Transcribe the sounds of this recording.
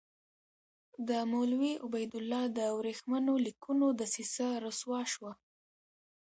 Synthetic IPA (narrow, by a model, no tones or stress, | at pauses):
d̪əmolwiʔʊbajd̪ʊlːɑd̪əwɾexmanolikunod̪əsisaɾoswɑʃwa